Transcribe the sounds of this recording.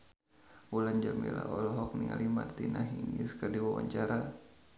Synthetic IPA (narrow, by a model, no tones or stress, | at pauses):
wuland͡ʒamila̰ʔɔlɔɦɔk̚niŋalimart̪inaɦiŋiskərdiwawa̰ɲt͡ʃaɾa